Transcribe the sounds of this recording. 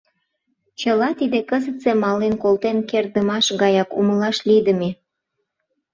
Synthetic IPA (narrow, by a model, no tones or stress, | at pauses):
t͡ɕəlɑt̪id̪ekəzət̪t͡semɑlenkolt̪enkerd̪əmɑʃɣɑjɑkṵməlɑʃlid̪ə̆me